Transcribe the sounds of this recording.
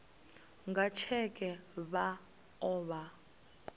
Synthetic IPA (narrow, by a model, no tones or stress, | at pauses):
ŋɡat͡ʃʰɛkʼɛβa | ɔβa